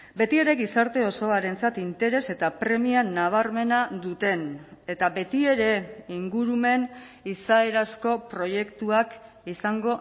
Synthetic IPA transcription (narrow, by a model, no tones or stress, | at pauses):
be̞t̪ie̞ɾe̞ɡisaɾt̪e̞o̞so̞aɾe̞nt͡sat̪int̪e̞ɾe̞se̞t̪apɾe̞mianaβ̞aɾme̞nad̪ut̪e̞ne̞t̪abe̞t̪ie̞ɾe̞iŋɡuɾume̞n | isae̞ɾasko̞pɾo̞je̞kt̪uak | isaŋɡo̞